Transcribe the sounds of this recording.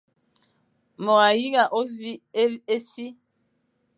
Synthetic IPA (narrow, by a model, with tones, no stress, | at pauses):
mɔ˨ɣa˨ji˦ɣa˨ʔo˦zi˦e˦e˦si˦